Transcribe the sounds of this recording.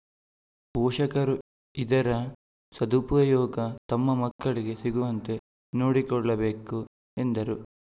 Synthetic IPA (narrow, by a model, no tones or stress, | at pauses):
boːʂɐkɐɾu | id̪ɐɾɐ | sɐd̪upɐjɔːɡɐt̪ɐmːɐmɐkːɐɭiɡe̞siɡuʋɐnt̪e̞ | no̞ːɽikɔɭːɐbeːku | e̞nd̪ɐɾu